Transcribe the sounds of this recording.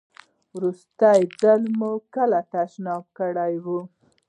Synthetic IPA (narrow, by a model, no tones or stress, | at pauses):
wɾust̪ajd͡zəlmukəlat̪aʃnɑb̚kəɽajwu